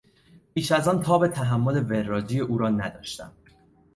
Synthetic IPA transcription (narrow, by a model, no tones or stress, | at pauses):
piːʃæzɒːnt̪ʰɒːbe̞t̪ʰæɦæmːole̞ve̞ɾːɒːd͡ʒiːje̞ʔuːɾɒːnæd̪ɒːʃt̪æ̰m